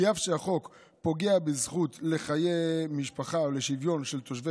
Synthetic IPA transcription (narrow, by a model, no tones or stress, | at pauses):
afʃeaχo̞k | po̞ɡeabizχutle̞χajemiʃpaχaoleʃivjo̞nʃelt̪oʃve